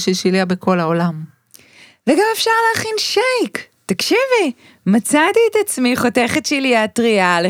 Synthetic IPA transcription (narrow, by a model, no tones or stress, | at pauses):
ʃeʃiliabekʰo̞laolam | veɡamefʃaʁlaːχinʃajk | t̪akʃivi | mat͡satiːtat͡smiχo̞teχetʃiliatʁiale